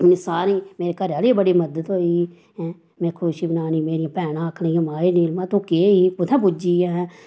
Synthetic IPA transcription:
nɪsaːɾĩːmeːɾekəɾəleːbəɽiːməd̪ət̪ɦoːiː | ɛ̃ː | mɛ̃ːkʰʊʃiːbənaːniːmeːɾijãːpɛːɽ̃ãːəkʰɽẽjãmaːinɪlmãːt̪õːkeːipʊt̪ʰɛ̃ːbʊd͡ʒiːãɦɛ̃ː

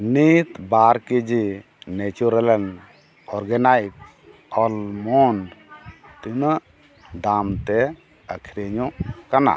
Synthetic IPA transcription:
nit̪baɾkid͡ʒi | net͡ʃuɾɛlɛn | ɔɾɡɛnajk̚ | ɔlmɔn | t̪ina | d̪amt̪ɛ | əkʰiɾeɲɔkana̰

